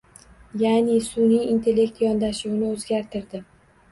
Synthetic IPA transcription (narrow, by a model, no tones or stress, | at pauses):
janɪsʊnijint̪ʰe̞lʲːe̞k̚t̪jɒnd̪aʃuwnɪozɡʲaɾt̪ʰɪɾd̪ɪ